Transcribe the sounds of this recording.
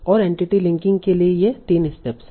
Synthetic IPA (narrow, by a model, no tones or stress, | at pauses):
ɔːɾẽːɳʈiʈilɪ̃ŋkɪ̃ŋɡ̚keliejet̪iːnɪsʈeps